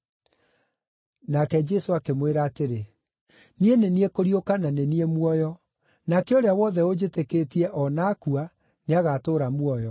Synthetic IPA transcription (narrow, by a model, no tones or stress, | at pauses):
nakɛd͡ʑɛsoakemweɾaːteɾe | nieneniekoɾiokananeniemuɔjɔ | nakɛoɾeawɔðɛod͡ʑeteketiɛʔɔnakua | neaɣatoːɾamuɔjɔ